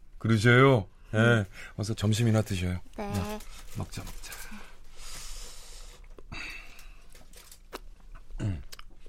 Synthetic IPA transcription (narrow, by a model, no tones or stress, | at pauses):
kɯɾɯɕ̬ʰʌjo | jewas̬ʰʌt͡ɕʌmɕ̬ʰiminatɯɕ̬ʰʌjojemak̚t͡ɕ͈amak̚t͡ɕ͈ḁ